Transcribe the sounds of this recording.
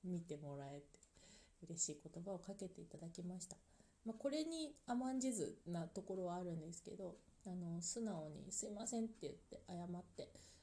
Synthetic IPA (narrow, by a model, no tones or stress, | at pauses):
mʲit̪e̞mo̞ɾae̞t̪e̥ɯ̟ɾe̞ɕiːko̞t̪o̞bao̞kake̞t̪e̞it̪ad̪akʲimaɕi̥t̪ḁ | mako̞ɾe̞ɲ̟iamãɲ̟d͡ʑizɨ̰nat̪o̞ko̞ɾo̞βaːɾɯ̟̃nd̪e̞sɨ̥ke̞̰d̪o̞ano̞sɨnaoɲ̟ḭsɨimasẽ̞nt̪ːe̞jɯ̟t̪ːe̞̰ʔajamat̪ːe̞